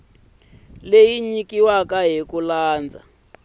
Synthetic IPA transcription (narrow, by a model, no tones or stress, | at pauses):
lejiɲikiwakaɦikulaːnd͡za̰